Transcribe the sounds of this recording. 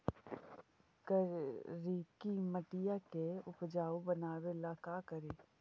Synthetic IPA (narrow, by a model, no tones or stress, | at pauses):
kəɾiːkiməʈɪjakeʊpd͡ʒaːobənaːwelaːkaːkəɾeː